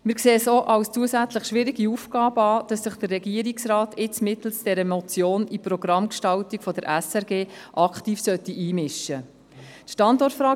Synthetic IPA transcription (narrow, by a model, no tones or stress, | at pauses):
mɪɾkseːsoːʔɑlst͡suəzæt͡sləχʃʋɪɾiɡiufɡɑːbəɑːd̥ɑsːəχd̥ərrɛɡiəɾiksrɑːtɪt͡smɪt̪l̩sd̥ɛɾəmɔt͡sjoːnipɾɔɡ̥ɾɑmkʃtɑltikfɔdəɾʔɛsɛɾɡeːʔɑkχtiːfsœt̪ːiʔiːmɪʃːə | tʃtɑndɔrtfɾɑː